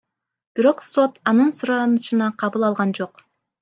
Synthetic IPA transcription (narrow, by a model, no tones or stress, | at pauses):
b̥iɾo̞qso̞t̪ɑnɯnsuɾɑnɯʃɯnɑqʰɑβɯlˠɑlˠʁɑnd͡ʒo̞q